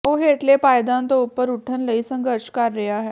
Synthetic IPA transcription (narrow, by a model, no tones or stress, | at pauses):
oːɦeːʈlepaːjd̪ãnt̪oʊpːəɾʊʈʰənləisə̃ŋɡəɾʃkɐɾːɐɦaɦɛː